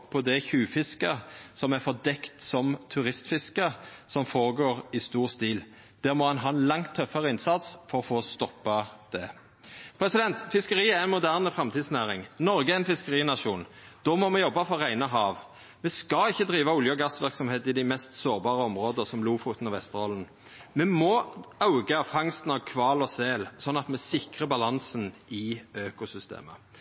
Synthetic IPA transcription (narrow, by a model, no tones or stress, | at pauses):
pʰɔd̪ɛçʉːfɪskəsɔmæfɔʁd̪ɛkt̪sɔmt̪ʰʉʁɪst̪fɪskəsɔmfoːʁəɡoːʁɪst̪uːʁst̪iːl | d̪̥æːɾmɔhɑnɦɑːɛnlɑŋt̪ʰːœfːəʁəɪnsɑt̪sfɔɾɔfoːst̪ɔpːɑd̪̥ɛ | pʰɾɛsɪd̪ɛnt̪fɪskəɾiːæʁɛnmʊd̪æːʁnəfʁɑmt̪ʰiːd̪snæːʁɪŋnɔɾɡəæɪnfɪskəʁiːnɑʂuːnd̪̥ɔmɔmɛjɔbːɑfɔʁæɪnɑɦɑːʋ | mɛskɑɪçːəd̪ɾiːʋɑʊljəɔɡɑsʋɪʁksɔmheːt̪ɪd̪æɪmɛst̪soːʁbɑːʁəɔmʁoːd̪əsɔmluːfuːt̪n̩ɔʋɛst̪əʁɔlən̩ | mɛmɔɑʊɡɑfɑŋst̪n̩ɑʋkʰʋɑːlɔseːlsɔnːɑt̪mɛsɪkʁəbɑlɑnsənɪøːkʊsʏst̪ḛːmə̰